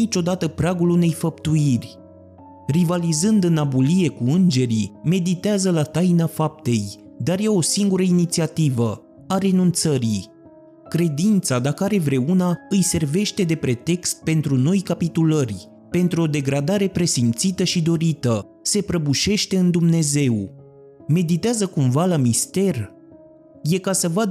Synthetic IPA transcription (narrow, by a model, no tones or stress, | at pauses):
it͡ʃo̞d̪at̪əpɾaɡulune̞jfəp̚t̪uirʲ | rivalizɨnd̪ɨnabulie̞kuɨnd͡ʒe̞ɾime̞d̪it̪eazəlat̪ajnafap̚t̪e̞j | d̪arjeo̞siŋɡuɾəinit̪siat̪ivə | aɾe̞nunt̪səɾi | kɾe̞d̪int̪sad̪akəaɾe̞vɾe̞unaɨjse̞rve̞ʃt̪e̞d̪e̞pɾe̞t̪e̞kst̪̚pe̞nt̪ɾuno̞jkapit̪ulərʲ | pe̞nt̪ɾuo̞d̪e̞ɡɾad̪aɾe̞pɾe̞simt̪sit̪əʃid̪o̞ɾit̪ə | se̞pɾəbuʃe̞ʃt̪e̞ɨnd̪umne̞ze̞w | me̞d̪it̪eazəkumvalamist̪e̞r | je̞kasəvad̪